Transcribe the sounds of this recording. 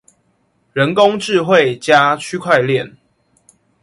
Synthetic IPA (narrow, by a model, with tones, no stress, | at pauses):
ɻə˨˦nko˦ŋʈ͡ʂɻ̩˥˨˧xwe˥˨ɪt͡ɕja˦t͡ɕʰy˥kʰwa˥˧ɪljɛ˥˨n